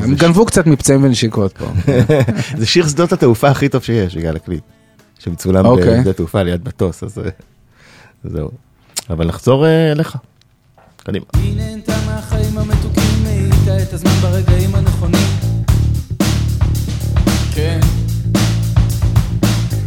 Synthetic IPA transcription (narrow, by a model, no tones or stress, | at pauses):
emɡanvukt͡sat̪mipt͡saimveniʃikot̪̚po̰ | zeʃiʁsd̪otat̪eufaaχito̞v̥ʃejeʃbiɡla̰lakli | ʃemt͡sulamokejbet̪eufalejad̪̚bato̞sa̰zḛ | zḛṵ | avalnaχzo̞ʁeleχa | kad̪ḭmainent̪ameaχaimamet̪ukimːeit̪aet̪azmanbaʁeɡaimaneχo̞nim | ken